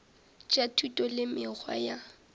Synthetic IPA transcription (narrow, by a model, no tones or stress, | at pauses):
t͡ʃʼatʰutʼɔlɪmɪk͡xʰwa̰ja